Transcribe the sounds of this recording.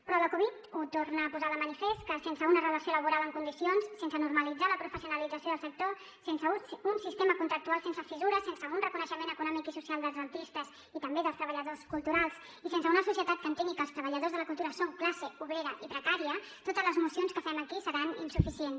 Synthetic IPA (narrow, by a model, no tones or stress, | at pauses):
pɾɔləkuβ̞it̪ut̪ornəːpuzaðəmənifest̪̚kəsensəunərələsioləβuɾaləŋkund̪isionssensənurməlid͡zaləpɾufəsiunəlid͡zəsioðəlˠsək̚t̪o | sensəunsist̪eməkunt̪ɾək̚t̪ualˠsensəfizuɾəsensəunrəkunəʃəmenəkunɔmikisusialˠd̪əlˠzənt̪ist̪əz | it̪əmbeðəlˠst̪ɾəβəʎəðoskulˠt̪uɾalˠs | isensəunəsusiət̪at̪kənt̪eŋɡikəlˠst̪ɾəβəʎəðozðələkulˠt̪uɾəsoŋklasəuβɾeɾəʔipɾəkaɾiə | t̪ot̪əzləzmusonskəfɛməkisəɾanḭnsufisien